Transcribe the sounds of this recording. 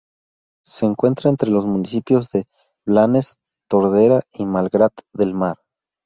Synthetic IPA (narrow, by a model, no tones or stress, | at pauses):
se̞ːŋkwe̞nt̪ɾaent̪ɾe̞lo̞smũnisipjo̞zðe̞ | βlane̞s | t̪o̞ɾðe̞ɾaimalɡɾat̪ðe̞lmaɾ